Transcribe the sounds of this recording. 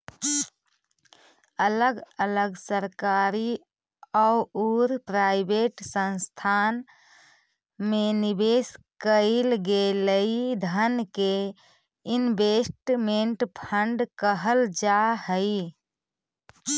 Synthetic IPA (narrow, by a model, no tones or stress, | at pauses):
ələɡələɡsəɾkaɾi | ɔuuɾpɾaɪbeʈsə̃nst̪ʰan | menibeskəɪlɡeləid̪ʱənke | inbesʈmeɳʈpʰəɳɖkəɦəld͡ʒaɦəi